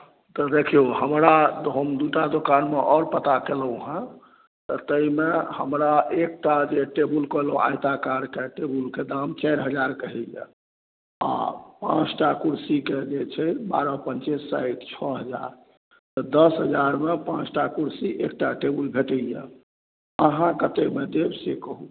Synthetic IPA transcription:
t̪ɔd̪ekʰioɦəmɾat̪ɦəmd̪uʈad̪okanmeʔɔɾpət̪akeləũɦɛ̃ | t̪ɔt̪əimehəmɾaek̚ʈad͡ʒeʈebulkəloʔa̰jt̪akaɾkeʈebulked̪amt͡ʃajɾɦəd͡ʒaɾkəɦɛjɛ̰ | a̰pã̰t͡ʃʈakuɾsiked͡ʒet͡ʃʰɛba̰ɾɔpənt͡ʃesːa̰iʈt͡ʃʰɔɦəd͡ʒa̰ɾ | t̪ɔd̪əsɦəd͡ʒaɾmepãt͡ʃʈakuɾsiʔek̚ʈaʈebulbʱeʈəjɛ̰ | əɦãkət̪ekmed̪ebsekəɦu

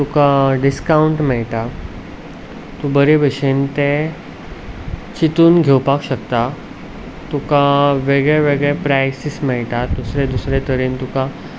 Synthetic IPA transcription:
t̪ukãɖiskauɳʈmɛɭʈa | t̪ũbəɾebʱəɕent̪e | t͡ɕit̪uːnɡʱewpakɕəkt̪a | t̪ukãʋeɡɭeʋeɡepɾajsismɛɭʈad̪usɾed̪usɾet̪əɾiːnt̪ukã

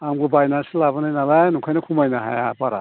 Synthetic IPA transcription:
amɡubajnanselabanajnalajnukʰajnakʰumajnaɦa̰ja̰paɾa̰

